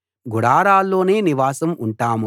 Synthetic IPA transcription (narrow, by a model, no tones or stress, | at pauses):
ɡuɽaːɾaːlːo̞ːne̞ːniʋaːsɐmuɳʈaːmu